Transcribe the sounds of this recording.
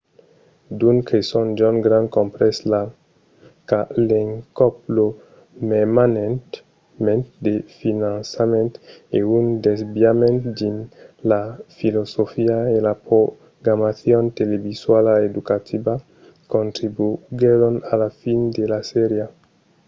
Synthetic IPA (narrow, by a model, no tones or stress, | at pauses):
d̪uŋkʰesond͡ʒonɡɾãnkõmpɾesla | kaleŋkop̚lo | memanent̪ | mẽnt̪d̪efinãnsamẽnt̪eund̪ezbjamẽnt̪d̪inlafilosofiaelapɾo | ɡɾamaθjont̪elebiswalaed̪ukat̪ʰiba | kõnt̪ɾibuɡeɾonalafind̪elaseɾja